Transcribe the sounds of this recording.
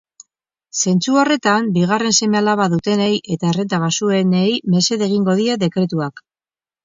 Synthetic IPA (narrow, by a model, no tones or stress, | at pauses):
se̞nt͡suore̞t̪ambiɣ̞are̞nse̞me̞alaβaðut̪e̞nejʔe̞t̪aere̞t̪aβasue̞nejme̞se̞ðe̞ɣ̞iŋɡo̞ðiaðe̞kɾe̞t̪uak